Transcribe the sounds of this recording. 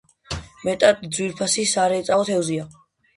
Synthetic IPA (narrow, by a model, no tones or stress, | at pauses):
mɛt̪ʼat̪ʼd̪zwiɾpʰasisaɾɛːt̪sʼaɔt̪ʰɛwzia